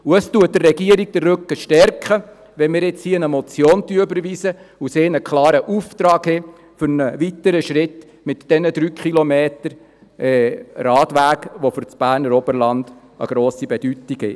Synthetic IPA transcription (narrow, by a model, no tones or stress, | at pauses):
uəstuət̚dərːɛɡiəɾik̚dərːʉkːəʃtɛɾkχə | ʋɛnmɪːɾɪt͡shiːnəmɔt͡sjoːnt̪yəbəɾʋiːsəuseːnəkʰlɑːɾəʔuːft̪ɾɑːɡhe | fʏɾnəʋit̪əɾəʃɾɪt̪ | mɪtd̥ɛnəd̪ɾyːkʰχilɔmeːtəɾ | ʔɛːrɑːtʋæːkʋofʏɾt͡sb̥æːɾnəɾɔbəɾlɑnd̪̥ | ə̰ɡ̥ɾoːsibɛd̥ytiɡhɛ̰